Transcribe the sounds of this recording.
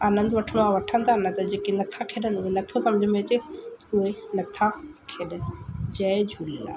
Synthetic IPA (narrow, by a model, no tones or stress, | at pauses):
aːnə̃nd̪ʋɐʈʰəɽ̃oaʋɐʈʰə̃nd̪ʱanɐt̪ɐd͡ʑeːkenɐt̪ʰakʰeːɗənɪʊɦenɐt̪ʰosɐ̃md͡ʑʱəmeːt͡ɕeʊɦenɐt̪ʰakʰeːɗənɪ̆d͡ʑɐed͡ʑʱula̰ː